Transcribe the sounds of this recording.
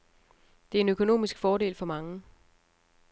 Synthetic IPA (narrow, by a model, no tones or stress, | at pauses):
d̥e̝æe̝nøkʰo̝no̝̰ːmisɡ̥fɒːɾe̝̰ːlfɒ̽mɑ̈ŋə